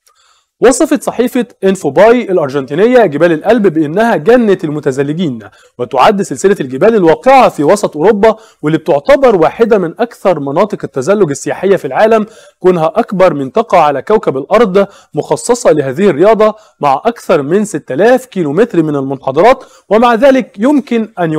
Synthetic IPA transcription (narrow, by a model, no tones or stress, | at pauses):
wɑsˤɑfɑt̪sˤɑħiːfɑʔenfobɑːjʔælʔɑɾˤʒɑnt̪iːnejːæɡɪbæːlelʔælbbɪʔɪnːæhæɡænːæt̪ælmʊt̪æzælːɪɡiːn | wet̪oʕad̪ːselselælɡɪbæːlælwɑːqeʕafiːwɑsˤɑt̪ʔoɾobːɑ | welːiːb̚t̪oʕt̪ɑbɑɾˤwaːħɪd̪æmɪnʔækθɑɾˤmɑnɑːt̪ˤɨqet̪ːæzælːoɡæsːejaːħejːæfilʕaːlæm | koːnɦæʔækbɑɾˤmɪnt̪ɑqɑʕalækæwkæbælʔɑɾˤd̪ˤ | moxɑsˤːɑsˤɑlɪɦæːðihɪrːejɑːd̪ˤɑ | maʕʔɑkθɑɾˤmɪnset̪ːælæːfkiːlomet̪ɾmɪnælmʊnħɑd̪ˤɑɾˤɑːt̪ | wemaʕðæːlɪkjʊmkɪnʔænj